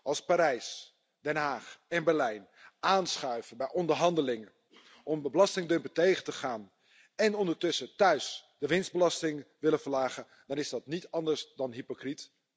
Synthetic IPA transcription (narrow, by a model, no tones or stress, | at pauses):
ʔɑlˠspaːɾɛjs | d̥ɛnɦaːχɛnbɛɹlɛjn | ʔaːnsχœɥvəbɛjʔɔndəɹɦɑndəlɪŋə | ʔɔməbəlɑstɪŋdømpətejχətəχaːn | ɛnɔndəɹtɵsətœɥsd̥əʋɪnsd̚bəlɑstɪŋʋɪləfəɹlaːχə | d̥ɑnɪzdɑtnitɑndəɹsdɑnɦipokrit